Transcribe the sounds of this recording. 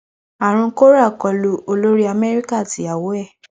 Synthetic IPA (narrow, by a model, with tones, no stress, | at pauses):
a˨ɾ̃ũ˧˦ko˦ɾa˦˨kɔ˨lu˧o˧lo˦ɾi˦a˧mɛ˦ɾi˦ka˦˨ti˨˦a˨wo˨˦ɛ˦˨